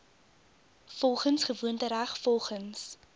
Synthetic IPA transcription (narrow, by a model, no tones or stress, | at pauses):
fɔlˠχənsχəvuəntəɾæχfɔlˠχəns